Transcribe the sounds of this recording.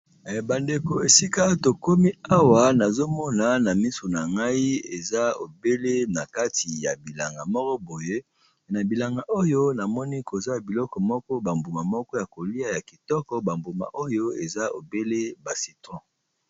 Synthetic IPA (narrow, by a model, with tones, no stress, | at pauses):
ba˨nde˨ko˨e˨si˦ka˦to˨ko˦mi˦a˦wa˦na˨zo˦mɔ˦na˨na˨mi˦so˨na˨ŋɡa˦i˦ḛ˨za˦o˨be˦le˦na˨ka˦tʰi˨ja˨bi˨la˨ŋɡa˨mɔ˦kɔ˦bo˨je˦˨ | na˨bi˨la˨ŋɡa˨ʔo˦jo˦na˨mɔ˦ni˦ko˨za˦˨bi˨lɔ˦kɔ˨mɔ˦kɔ˦ba˨mbu˨ma˨mɔ˦kɔ˦ja˨ko˨li˦a˦ja˨ki˨tɔ˦kɔ˦ba˨mbu˨ma̰˨ʔo˦jo˦e˨za˦o̰˨be˦le˦ba˨si˨tɔ̃˦